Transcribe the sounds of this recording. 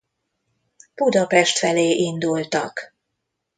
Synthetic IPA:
b̥ud̪ɒpɛʃt̪fɛleːʔind̪ult̪ɒk

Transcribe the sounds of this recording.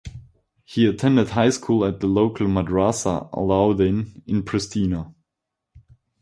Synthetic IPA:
hiɨtʰɛ̃ndɨd̚ɦaɪskʰulˠət̪̚ðəloʊkʰl̩ˠmədɹasə̰ə̰laʊdɪ̃nɪ̃npʰɹ̥ɨstʰinə

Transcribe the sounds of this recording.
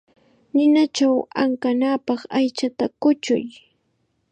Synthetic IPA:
nɪnat͡ʃawa̰ŋkanaːpɑχajt͡ʃat̪akʊt͡ʃʊ̰j

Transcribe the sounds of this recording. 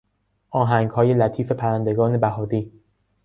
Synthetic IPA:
ʔɒːɦæŋɡhɒːje̞læt̪ʰiːfe̞pʰæɾænd̪eɡɒːne̞bæɦɒːd̪iː

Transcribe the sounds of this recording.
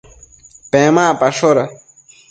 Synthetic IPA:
pẽmaːpɐʂoɾɐ

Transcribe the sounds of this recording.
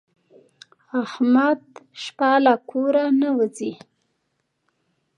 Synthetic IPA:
ahmad̪ʃpɑlakʰoɾanawəzi

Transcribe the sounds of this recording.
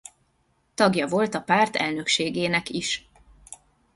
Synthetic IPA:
t̪ɒɡjɒvo̞lt̪ɒpaːrt̪ɛ̰lnø̞kʃeːɡeːnɛkiʃ

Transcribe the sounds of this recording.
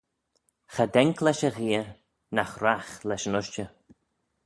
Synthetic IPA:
xad̪ɛŋkʰlɛʃəɣiːə | naxɾaxlɛʃənʊʃt͡ʃə

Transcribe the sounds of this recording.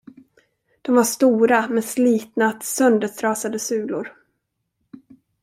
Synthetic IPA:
d̪̥ɔmvaʂt̪uːɾamɛnsliːt̪nat̪sœnd̪ət̪ʰɾɑːsad̪əsʉ̟ːlʊ̰ɾ

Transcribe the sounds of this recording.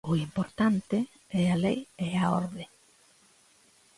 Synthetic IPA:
ʊimpoɾt̪ant̪ɪ | ɛalejɛaoɾðe

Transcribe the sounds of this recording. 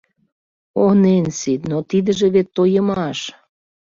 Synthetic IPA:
onensit̪not̪id̪ə̆ʒĕβet̪ːojəmɑʃ

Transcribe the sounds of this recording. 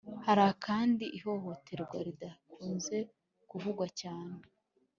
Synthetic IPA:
haɾakʰaːndiʔiho̞ho̞te̞ɾɡwaɾidakʰuːnze̞ | kuvuɡwacaːne

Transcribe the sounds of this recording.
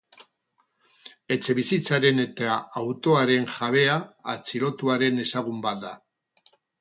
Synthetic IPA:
e̞t͡se̞βisit͡saɾe̞ne̞t̪aawt̪o̞aɾe̞ŋʝaβ̞e̞a̰ːt͡siɾo̞t̪uaɾe̞ne̞saɣ̞umbat̪̚d̪a

